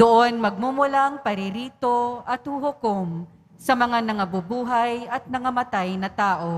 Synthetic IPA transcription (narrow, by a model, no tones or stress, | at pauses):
d̪ʊʔonmɐɡ̚mumʊlaŋpɐɾɪɾiːt̪oʔɐt̪̚hʊɦʊkom | sɐmɐŋanɐŋɐbʊbuːɦɐjɐt̪̚nɐŋɐmɐt̪ajnɐt̪aːʔo̞